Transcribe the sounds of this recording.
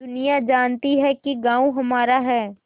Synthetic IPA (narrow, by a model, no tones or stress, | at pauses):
ʊnijad͡ʒaːnt̪iɦɛkiɡãːũɦɐmaːɾaɦɛː